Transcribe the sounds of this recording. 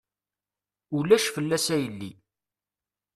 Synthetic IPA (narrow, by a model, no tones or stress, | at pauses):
ulæʃfəlːæsæjəlːḭ